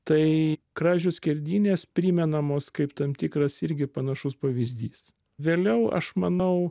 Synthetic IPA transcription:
t̪ɐɪkɾɑːʒʲʊsʲkʲɛɾʲd̪ʲiːnʲeːspʲɾʲiːmʲɛnɐmoːskɐɪpt̪ɐmt̪ʲiːkɾɐsɪɾʲɡʲɪpɐnɐʃʊspɐʋʲizʲd̪ʲiːs | ʋʲeːlʲɛʊɐ̰ʃmɐnɐʊ

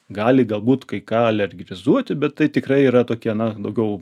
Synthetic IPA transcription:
ɡɑːlʲɪɡɐlˠbuːt̪kɐɪkɑːɐlʲɛɾʲɡʲɾʲɪzuɔt̪ʲɪbʲɛt̪t̪ːɐɪt̪ʲɪkɾɐɪiːɾɐt̪oːkʲiɛnɐd̪ɐʊɡʲɛʊ

